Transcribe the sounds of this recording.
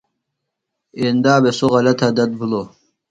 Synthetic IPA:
end̪aːbesoʁɑlɐt̪ʰad̪ɐt̪̚bulo

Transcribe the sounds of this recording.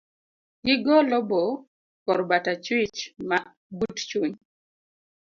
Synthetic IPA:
ɡɪɡɔlɔbɔ | kɔɾbatat͡ʃwɪt͡ʃma | butt͡ʃwiɲ

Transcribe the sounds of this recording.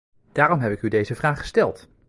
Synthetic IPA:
d̥aːrɔmɦɛpɪkydejzəvraːχχə̥stɛlˠt

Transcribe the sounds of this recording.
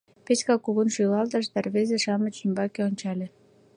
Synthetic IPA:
pet͡ɕkɑkːuɣunʃylɑlt̪ɑʃd̪ɑrβezeʃɑmət͡ɕymbɑkeonʲt͡ɕɑlʲĕ

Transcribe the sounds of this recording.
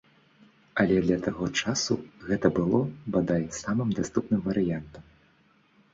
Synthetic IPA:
ɐlʲɛd̪lʲɐt̪aɣɔt͡ʂasṵɣɛt̪ɐbɨlˠɔbad̪ajsamɨmd̪ast̪upnɨmvɐɾɨjant̪ɐm

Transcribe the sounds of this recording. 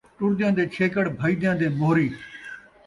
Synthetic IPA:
ʈʊɾd̪ɪjãːd̪eːt͡ʃʰeːkəɽbʱəiːd̪jãːd̪eːmoːɾiː

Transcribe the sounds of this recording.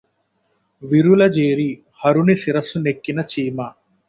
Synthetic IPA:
ʋiɾulɐd͡ʒeːɾi | hɐɾunisiɾɐsunekːinɐt͡ʃiːmɐ

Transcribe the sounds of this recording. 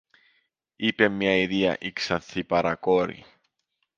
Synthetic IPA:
ipe̞mɲɐiðiɐ̰ʔiksɐnθipɐɾɐkoɾḭ

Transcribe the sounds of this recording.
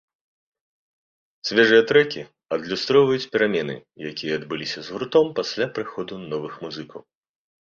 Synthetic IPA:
sʲvʲɛʐɨjɐt̪ɾɛkʲi | ɐd̪lʲust̪ɾɔwvɐjut͡sʲpʲɛɾamʲɛnɨ̰jakʲijɐːd̪bɨlʲisʲɐzɣuɾt̪ɔmpasʲlʲapɾɨxɔd̪unɔvɨxmuzɨkɐw

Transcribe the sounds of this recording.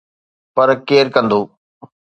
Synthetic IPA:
pɐɾkeːɾkə̃nd̪oː

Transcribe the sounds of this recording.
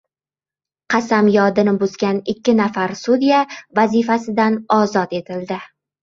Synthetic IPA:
qʰɑsamjɒd̪ɪnɪbʊzɡʲanɪkʲʰːɪnafaɾsʊd̪ijavazifasɪd̪anɒzɒt̪e̞t̪ʰɪld̪ɪ

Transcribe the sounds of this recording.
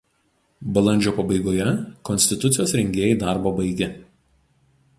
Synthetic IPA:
bɐlˠɐnʲd͡ʒʲoːpɐbɐɪɡoːjɛkɔnʲsʲt̪ʲɪt̪ʊt̪sʲɪjoːsɾʲɛŋʲɡʲeːjɛɪd̪ɑˑɾboːbɐɪɡʲɛ

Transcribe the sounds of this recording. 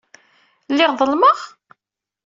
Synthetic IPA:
lːɪʁðˤəlməʁ

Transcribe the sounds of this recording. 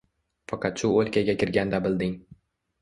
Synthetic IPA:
fɑqʰɑt̪ʃʊolʲˠkʲʰaɡʲakʲʰɪɾɡʲand̪abɪld̪ɪŋ

